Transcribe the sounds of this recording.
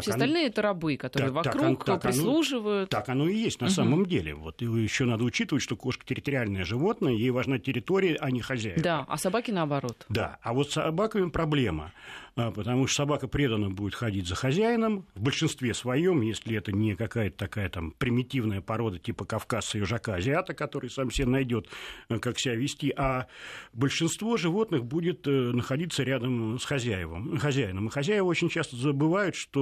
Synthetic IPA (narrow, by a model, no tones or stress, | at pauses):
sʲeɐɐlʲnɨəɛt̪əɾɐbɨkɐt̪oaɨəvɐt̪akunk̪apɾɪnslˠuʐɨvəjʊt̪akɐno̞ɪjesʲtʲnɐssaməmdʲelʲɪ̰vo̞t̪jɪɕːo̞nad̪əʊt͡ɕit̪əvətʲʂt̪o̞ko̞ʂkə̥tʲɪɾʲɪt̪əɾʲɪalʲnəjəʐɨvo̞t̪nəjəjejvɐʐnatʲɪɾʲɪt̪o̞ɾʲɪjəʔɐnʲɪxɐzʲæɪnaɐ̰sɐbakʲɪnəɐbɐɾo̞t̪d̪a̰avo̞t̪sːɐbakəmʲɪpɾɐblʲe̞mə̰apət̪ɐmut̪sɐbakəpɾʲe̞d̪ənːəbudʲɪt̪xɐdʲitʲzəxɐzʲæjɪnəmvbəlʲʂɨnst̪vʲesvɐjo̞mjesʲlʲɪɛt̪ənʲɪkɐkajət̪ət̪ɐkajət̪ampɾʲɪmʲɪtʲivnəjəpɐɾo̞d̪ətʲipəkɐfkasɨɪʐɐkaɐzʲɪat̪əkɐt̪o̞ɾɨjsamfsʲɪenɐjdʲo̞t̪kakfsʲɪbʲævʲɪsʲtʲiʔabəlʲʂɨnst̪vo̞ʐɨvo̞t̪nɨxbudʲɪt̪nəxɐdʲit̪səɾʲad̪əmsxɐzʲæjɪvə̰mxɐzʲæjɪnəmɨxɐzʲæjɪvəot͡ɕɪnʲt͡ɕast̪əzəbɨvajʊt̪ʂt̪o